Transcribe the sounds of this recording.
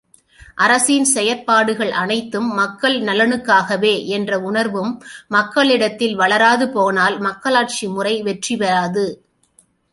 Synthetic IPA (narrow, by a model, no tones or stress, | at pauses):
ʔɐɾɐsinsɛjɐɾpaːɽɯɣɐɭʔɐnɐɪt̪ːɯmːɐkːɐɭnɐlɐnɯkːaːɣɐʋeːʔɛndrɐʊɳɐɾʋɯmːɐkːɐɭɪɽɐt̪ːɪlʋɐɭɐɾaːðɯpoːnaːlmɐkːɐɭaːʈ̚t͡ʃimʊrɐɪʋɛʈriʋɐɾaːðɯ